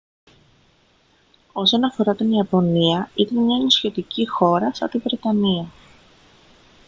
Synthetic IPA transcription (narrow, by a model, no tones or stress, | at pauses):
o̞so̞nɐfo̞ɾɐt̪iniɐpo̞niɐit̪ɐnmɲɐenosçe̞t̪icixo̞ɾɐsɐ̰t̪ivɾe̞t̪ɐniɐ